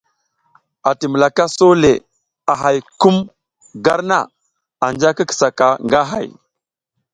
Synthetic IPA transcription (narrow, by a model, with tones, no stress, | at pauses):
a˨ti˨mə˨la˨ka˦so˦le˨ | a˨ɦa˨jku˦m | ɡa˦ɾna̰˦˨ | a˨nd͡ʒa˦kə˦kə̥˨sa˨ka˨ŋɡa˦ɦa̰˨j